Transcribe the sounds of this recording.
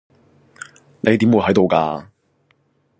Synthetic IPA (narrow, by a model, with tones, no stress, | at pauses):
nʔe˨˧jt̪i˨˥mwu˨˧˥hɦɐ˨˥jt̪o˨˧wkaː˧